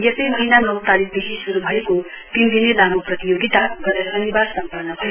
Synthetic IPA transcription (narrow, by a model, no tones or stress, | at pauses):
jestʌjmʌɦinamlʌwt̪alikd̪eɦisuɾubʱʌeko | t̪imd̪inenamoprʌt̪ijoɡit̪aɡʌnasʌnibaɾsʌmpanʌbʱʌe